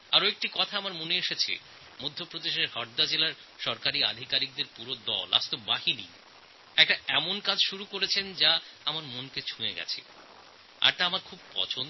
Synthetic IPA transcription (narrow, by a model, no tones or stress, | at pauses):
aɾoek̚ʈikɔt̪ʰaamaɾmoneeʃet͡ɕʰḛ | mod̪ʱːopɾod̪eʃeɾhɔɾd̪ad͡ʑelaɾ | ʃɔɾkaɾia̰d̪ʱikaɾik̚d̪eɾpuɾod̪ɔ̰la̰st̪obaɦinḭ | ɛk̚ʈaɛmonkad͡ʑʃuɾukoɾet͡ɕʰend͡ʑaamaɾmonket͡ɕʰueɡɛ̰t͡ɕʰḛ | a̰ɾt̪aamaɾkʰub̚pɔ̰t͡ɕʰon